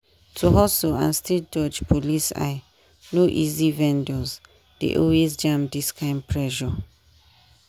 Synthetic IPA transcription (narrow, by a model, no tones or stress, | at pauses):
tʰuɦɔsoã̰nstʰed͡ʒɔd͡ʒpʰolisa̰ɪ | noʔizivɛ̃ndɔz | d̥ḛʔɔlwezd͡ʒãmdiskʰãɪ̃mpʰɹɛʒɔ